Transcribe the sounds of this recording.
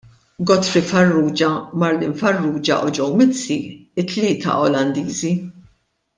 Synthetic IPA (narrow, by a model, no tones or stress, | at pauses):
ɡɔt̪fɾifɐrːuːd͡ʒɐmɐɾlɪnfɐrːuːd͡ʒɐ̰ʔɔd͡ʒɔwmɪt͡sːiɪt̪ːlɪːt̪ʰɐ̰ʔɔlɐnd̪iːzi